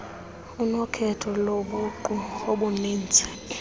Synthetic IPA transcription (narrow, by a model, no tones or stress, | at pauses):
unɔkʰɛtʰɔloɓuǃuoɓuniːnd͡zʱɛ̥